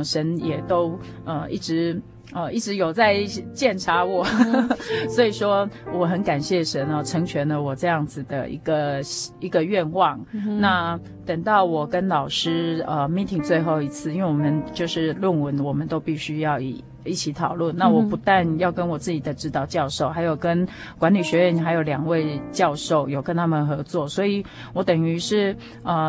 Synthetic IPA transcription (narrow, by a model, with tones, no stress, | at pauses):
ʂə˧˥njɛ˨˩t̪o˥ʊə˧i˥˩ʈ͡ʂɻ̩˧˥ | ə˧i˥˩ʈ͡ʂɻ̩˧˥jo˨˩ʊt͡sa˥˧ɪt͡ɕjɛ˥˩nʈ͡ʂʰa˧˥wɔ˨˩ | swɔ˧˥i˨˩ʂwɔ˥wɔ˨˩xə˧˥nka˨˩nɕjɛ˥˩ʂə˧˥nɐ˧ʈ͡ʂʰɤ˧˥ŋt͡ɕʰɥɛ˧˥nlə˧wɔ˨˩ʈ͡ʂɤ˥˧jɑ˥˩ŋd͡zɹ̩˨˩d̪ə̰˨˩ḭ˧˥ɡə˧i˧˥ɡə˧ɥɛ˥˧nwɑ˥˩ŋna˥˩ | t̪ə˨˩ŋt̪ɑ˥˩ʊwɔ˨˩kə˦˥nlɑ˨˩ʊʂɻ̩˥ə˧mi˥˩t̪ʰi˨˩ŋt͡swe˥˧ɪxo˥˧ʊi˧˥t͡sʰɹ̩˥˩˨i˥nwe˥˩wɔ˨˩mə˦nt͡ɕjo˥˧ʊʂɻ̩˥˧lwə˥˩nwə˧˦˥nwɔ˨˩mə˨nt̪o˥ʊpi˥˩ɕy˥jɑ˥˩ʊi˨˩ | i˥˩t͡ɕʰi˨˩t̪ʰɑ˨˩ʊlwə˥˩nna˥˩wɔ˨˩pu˧˥t̪a˥˧njɑ˥˩ʊkə˦˥nwɔ˨˩t͡sɹ̩˥˩t͡ɕi˨˩d̪ə˩˦ʈ͡ʂɻ̩˥t̪ɑ˥˧ʊt͡ɕjɑ˥˧ʊʂo˥˩ʊxa˧˥ɪjo˨˩ʊkə˥n | kwa˧˥nli˨˩ɕɥɛ˧˥ɥɛ˥˩n˨xa˧˥ɪjo˨˩ʊljɑ˨˩ŋwe˥˧ɪt͡ɕjɑ˥˧ʊʂo˥˩ʊjo˨˩ʊkə˦˥nt̪ʰa˥mə˨nxɤ˧˥t͡swɔ˥˩swɔ˧˥i˨˩˦ | wɔ˨˧˥t̪ə˨˩ŋy˧˥ʂɻ̩˥˩ | ə˧˩